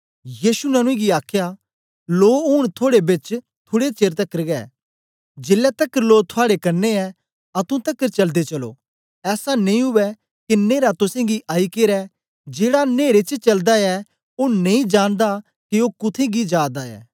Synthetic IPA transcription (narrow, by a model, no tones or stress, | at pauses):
jiːsunɐnũẽɡiaːkʰja | loːʊɽ̃t̪ʰoːɽebɪt͡ʃ | t̪ʰoːɽet͡ʃeːɾt̪ɐkːəɾɡɛː | d͡ʒeːlːɛt̪ɐkːəɾloːt̪ʰoaːɽekɐɾneɛ | ɐt̪ũt̪ɐkːəɾt͡ʃɐld̪et͡ʃɐlo̰ː | ɛːsanɐ̃ĩɦʊʋɛ | kineːɾat̪ʊsẽɡiʔaːikeːɾɛ | d͡ʒeːɽaneːɾet͡ʃt͡ʃɐld̪aɛ | onɐ̃ĩd͡ʒaːnd̪a | kiokʊt̪ʰẽɡid͡ʒaːd̪aɛ̰ː